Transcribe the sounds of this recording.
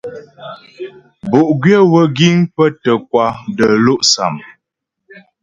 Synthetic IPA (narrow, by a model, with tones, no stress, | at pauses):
bu˨ʔɡɥjə˦wə˦ɡi˦ŋpə˦tə˨kwa˦də˨lo˦ʔsa̰˨m